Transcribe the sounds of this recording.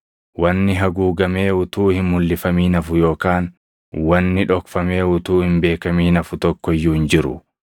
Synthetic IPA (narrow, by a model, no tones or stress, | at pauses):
wɐnːɪɦɐɡuːɡɐme̞ːʊt̪uːhɪmhʊlːɪfɐmiːnɐfʊjo̞ːkaːn | wɐnːɪᶑɔkfɐme̞ːʊt̪uːhɪmbe̞ːkɐmiːnɐfʊt̪ɔkːɔjːuːɪnd͡ʒɪɾʊ̰